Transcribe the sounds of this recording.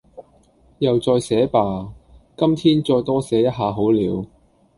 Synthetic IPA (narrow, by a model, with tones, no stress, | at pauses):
jɐ˨wt͡sɔː˧jsɛː˨˥paː˨kɐ˥mt̪ʰiː˥nt͡sɔː˧jt̪ɔː˥sɛː˨˥jɐ˥t̚ɦaː˨ɦo˨˥wliː˨˧w